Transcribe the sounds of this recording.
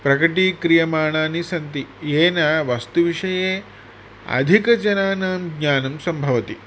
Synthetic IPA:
pɾɐkɐʈiːkɾijɐmaːɳaːnisɐnt̪ieːnaʋɐst̪uʋiʂɐjeː | ɐ̰d̪ʱikɐd͡ʒɐnaːnaːmɡɲaːnɐmsɐmbʱɐʋɐt̪i

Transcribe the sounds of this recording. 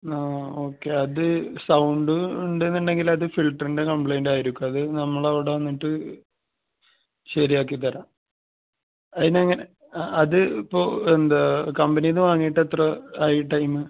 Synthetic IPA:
aːoːkːe̞ɐðɨsɐwɳɖɨuɳɖɨenːuɳɖe̞ŋɡilɐðɨfilʈɐrinde̞kɐmpɭejnɖaːjiɾikʲːumɐðɨnɐmːɐɭɐʋiɽeʋɐnːiʈːɨ | ɕɐɾijaːk̬ːit̪ːɐɾaːm | ɐðineɐŋːɐne | ɐðɨipːoːend̪akɐmbɐnijenːɨʋaːŋːijːiʈːɐt̪rɐaːjiʈːɐjmɨ

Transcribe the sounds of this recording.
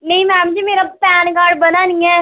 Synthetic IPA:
nɐ̃ɦĩmɛ̃ːmd͡ʒimeːɾapɛːnɡaːɾɖ̚bɐnanĩɛː

